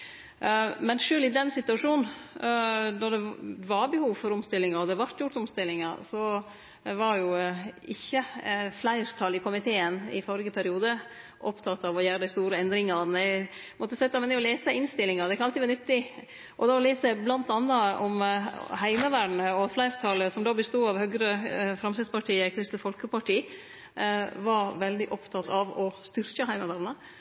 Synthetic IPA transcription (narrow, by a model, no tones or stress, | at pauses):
mɛnʂøːlɪd̪ɛnsɪt̪ʉɑʂuːn̩ | d̪ɔɖ̪ɛʋɑɾbɛhuːʋfɔɾɔmst̪ɪlːɪŋɑɾɔd̪ɛʋɑɾt̪jʊʈ̪ɔmst̪ɪlːɪŋɑɾsɔ | ʋɑɾjʊɪçːəflæɪɾt̪ʰɑlɪkʊmɪt̪ʰeːənɪ̰fɔɾɪɡəpʰæɾɪuːd̪ə | ʔɔpt̪ʰɑt̪ːɑʋɔjæːɾəd̪æɪst̪uːɾəɛnd̪ɾɪŋɑnɛ | mɔt̪ːəsɛt̪ːɑmɛnɛɔleːsəɪnst̪ɪlːɪŋɑɾd̪ɛkʰɑnɑɪʋɑɾnʏt̪ːɪ | ʔɔd̪ɛɔleːsəblɑnt̪ɑnːɑɔmhæɪməʋæɖɳəɔɑt̪flæɪɾt̪ʰɑləsɔmd̪ɑːbəst̪uːɑʋhœɡɾəfɾɑmsɪd̪spɑʈʰiːəɛkʰɾɪst̪əfɔlkəpɑʈiː | ʋɑɾʋɛld̪ɪʔɔpt̪ʰɑt̪ʰɑʋɔst̪ʏɾkəɦæɪməʋæɾɳə